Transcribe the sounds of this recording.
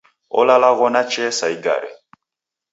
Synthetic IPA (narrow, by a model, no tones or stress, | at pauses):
o̰lalaɣɔnat͡ʃɛsaiɡa̰ɾḛ